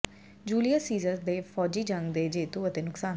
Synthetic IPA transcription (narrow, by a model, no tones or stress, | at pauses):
d͡ʒuːlijasiːzəɾd̪eːfʰɔːd͡ʒiːd͡ʒə̃ŋɡd̪eːd͡ʒeːt̪uːət̪eːnʊksaː